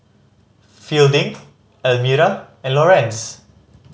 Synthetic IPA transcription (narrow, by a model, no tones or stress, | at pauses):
fildɪ̃ŋ | ɛlmuɾaɛ̃nlɔɹɛ̃ns